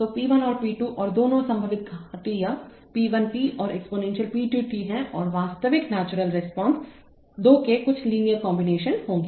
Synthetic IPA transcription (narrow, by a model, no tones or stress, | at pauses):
t̪oːpiːʋənɔːɾpiːʈuʔɔːɾd̪oːnõsɐ̃mbʱəʋɪt̪̚ɡʱat̪ija | piːʋənpiːʔɔːɾɛkspoːnɛ̃ːnʃəlpiːʈuːʈiɦɛ̃ʔɔ̰ːɾʋaːst̪əʋɪknaːt͡ʃʊɾəlɾɪspɔ̃ːns | d̪oːkekʊt͡ʃʰliːnijəɾkɔ̃ːmbɪneːʃənɦõːŋɡeː